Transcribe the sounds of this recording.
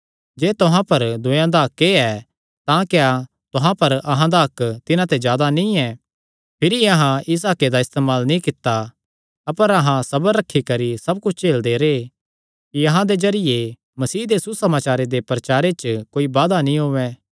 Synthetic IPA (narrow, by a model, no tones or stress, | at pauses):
d͡ʒeːt̪ʊɦãpɐɾd̪ʊ̃jãd̪akeɛ | t̪ãkja | t̪ʊɦãpɐɾɐɦãd̪aɦɐkːt̪ɪnãt̪ed͡ʒjaːd̪anĩɛ | pʰɪɾiɐɦãɪs̬aːked̪aɪst̪eːmaːlnĩkɪt̪ːa | ɐpəɾɐɦãsɐbɾɐkʰːikɐɾisɐb̚kʊt͡ʃʰt͡ʃeːld̪eɾe | kiɐɦãd̪ed͡ʒɐɾɪje | mɐsiːd̪esusɐmaːt͡ʃaːɾed̪epɾɐt͡ʃaːɾet͡ʃkoːibaːd̪anĩɦoːʋɛː